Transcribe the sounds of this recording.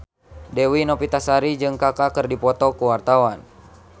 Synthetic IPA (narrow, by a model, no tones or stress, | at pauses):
dɛwinɔpit̪asaɾid͡ʒɨŋkakakərdipɔt̪ɔkuwart̪awan